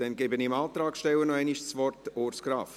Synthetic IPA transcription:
d̥ɛnɡɛbənɪmɑːt̪ɾɑːkʃtɛlːənɔɛɪniʃsʋɔrtoːɾskɾɑːf

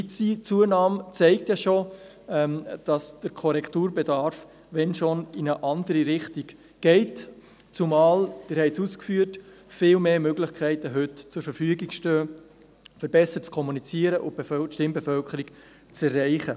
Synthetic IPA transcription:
t͡sit͡suənɑːmt͡sɛɪk̚t̪jɑʃo | ɛmd̥ɑsd̥əɾkʰɔɾɛkʰtuːɾbɛdɑɾf | ʋɛnʃonɪnəʔɑndəɾiɾɪχtiɡ | ɡ̥ɛɪt | t͡sumɑːld̥ɪːɾhɛɪt͡suskfyːt | fɪːlmeːmøɡlɪχkʰɛɪtəɦʏtt͡sʊɾfəɾfyəɡɪkʃtøː | fəɾbɛsəɾt͡skʰɔmunit͡siəɾəʔʊb̥efœʃtɪmbɛfœlkʰəɾik | t͡sɛrːɛɪχə

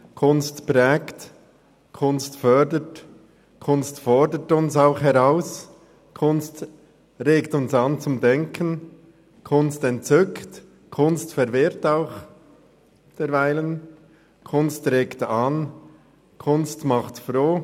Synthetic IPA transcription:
kʰʊnstpɾɛːkt | kʰʊnstfœdət | kʰʊnstfɔɹdətʊnsaʊχhɛʁaʊs | kʰʊnst | ɾeːktʊnsɑnt͡sʊmdɛŋkʰən | kʰʊnstɛntt͡sʏkt | kʰʊnstfɛɾvɪɾtaʊx | d̥ɛɾvaɪlən | kʰʊnstɾeːktan | kʰʊnstmɑχtfɾoː

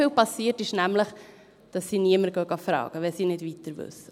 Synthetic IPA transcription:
ɪːlpɑsiːətɪʃnæmləχ | d̥ɑsːiːniəməɾɡœɡɑfɾɑ̰ːɡ̥əʋɛlsiːnɪdvit̪əɾvʏ̰sːə

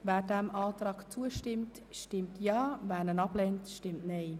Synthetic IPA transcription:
vɛːɾdɛmɑːtraːkt͡suəʃtɪmt | ʃtɪmtʰjɑːvɛːnənɑblɛntʃtɪmtneɪ

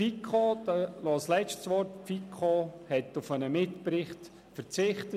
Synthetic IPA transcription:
ikʰod̥ɑlɑːslɛt͡ʃtsʋɔrtpfikʰɔhɛtʊfənəmɪtpɾɪχt | fəɾt͡sɪχtə

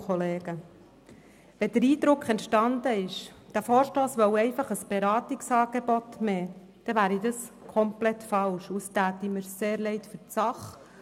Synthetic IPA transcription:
ɔleːɡ̥ə | ʋɛd̥̪əɾiːd̪ɾʊkʰɛntʃtɑnd̪əɪʃd̥æfoːɾʃtoːsʋɔwɛɪfɑχəsb̥eɾɑːtɪksɑːɡ̥ebɔt̪mɛː | d̥ɛʋæːɾid̪ɑskʰɔmplɛtfɑlʃustæːt̪iməɾseːɾlɛɪtfʏɾt͡sɑχ

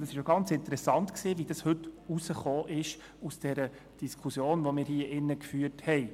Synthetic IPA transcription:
dɑsɪʃjoɡɑnt͡sɪnt̪əɾɛsɑnt̪ksiːʋid̥ɑshɵtusəχoːʔɪʃ | usd̥ɛɾə | d̥iskʰusjoːnʋomɪːɾhiːəʔɪnːəkfyːəthɛɪ

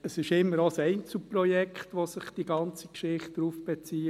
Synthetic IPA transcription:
əsɪʃɪmːəɾosɛɪnt͡sl̩prɔjɛkχtʋosɪχd̥iɡɑnt͡sikʃɪχt̚d̥ɾuːfb̥et͡siː

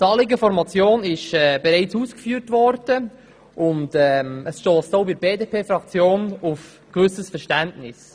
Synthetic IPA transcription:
tɑːlɪɡəfɔɾmɑt͡sjoːnɪʃɛːb̥ɛɾɛɪt͡suːskfyːɾtʋɔɾd̥ə | ʔʊndɛməsʃtoːstoʊbɪɾbeːdeːpʰeːfɾɑkt͡sjoːnʊf | kʋʏsəsfəɾʃtæntnɪs

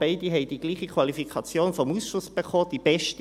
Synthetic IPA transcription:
b̥ɛɪdiɦɛɪd̥iɡ̥liːχikʰv̥ɑlifikʰɑt͡sjoːnfɔmusʃʊsb̥eχoːd̥ib̥ɛʃt

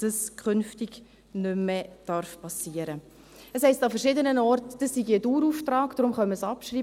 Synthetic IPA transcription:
əskʰχʏnftiɡ | nʏmːɛd̥ɑɾfpʰɑsiːəɾə | əshɛɪstɑfəɾʃɪdənənɔɾtd̥əsːiɡiəduːɾuːftrɑːɡd̥ɾʊmχœmːəsɑpʃriː

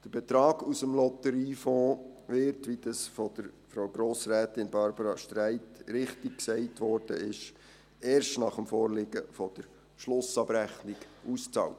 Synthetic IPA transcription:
d̥əɾb̥ɛt̪ɾɑːɡusəmlɔtəɾiːfoːʋɪɾtʋid̥̪ɑsfɔd̥əɾfɾowɡɾoːsræːtɪnbɑɾbəɾɑʃtɾæɪtɾɪχtɪk̚ksɛɪtʋɔrd̥ə̰ɪʃ | ɛːɾʃtnɑχəmfɔːɾlɪːɡəfɔd̥əɾ | ʃlʊsɑbɾæχnɪɡ̥ʔust͡sɑ̰ːlt

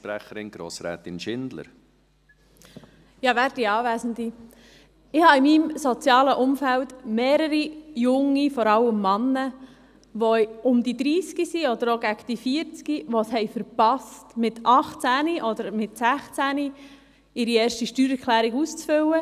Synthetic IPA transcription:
pɾɛχəɾɪnɡ̥ɾo̰ːsɾɛ̰ːt̪ɪnʃɪnd̪lə̰ɾ | jɑːʋæːɾdiɑːʋæːsəndi | ɪhɑimimsɔt͡sjɑːləʔʊmfæltmeːɾəɾijʊŋːifɔɾɑlːəmːɑnːə | ʋoʊmd̪id̪ɾiːskisiɔd̪əɾoɡækd̥̪ifiəɾt͡skiʋɔshɛɪfəɾpɑstmɪtʰʔɑχt͡sæniʔɔd̪əɾmɪtsæχt͡sæːni | ɪɾiɛːɾʃtiʃtyːɾɛɾkʰlæːɾiɡust͡sfʏwə

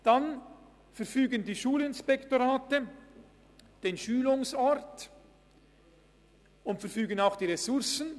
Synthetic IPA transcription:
d̥an | fɛɐfyːɡəndiːʃuːlɪnspɛktoʁaːtə | d̥eːnʃyːlʊŋsɔɾt | ʊntfɛʁfyːɡənaʊxd̥iːʁesʊʁsən̩

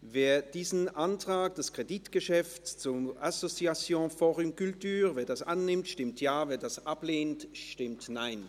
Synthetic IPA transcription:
veːɐd̥iːzn̩ʔantʁ̥aːk̚d̥askʁ̥editɡ̥əʃɛft͡st͡sʊmʔasot͡siat͡sjõːfɔːʁʏmkyltyːʁveːɐdasʔanːɪmtʃtɪmtʰjaːveːɐdasʔapleːntʃtɪmtnaɪn

